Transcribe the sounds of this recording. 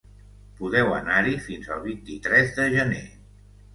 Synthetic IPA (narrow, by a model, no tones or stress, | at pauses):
puðɛwə̰naɾifinzəlˠβ̞int̪it̪ɾɛzðəʒəne